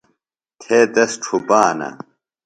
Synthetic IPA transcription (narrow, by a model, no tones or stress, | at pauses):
t̪ʰeːd̪ɐsʈ͡ʂʰubaːnɐ̰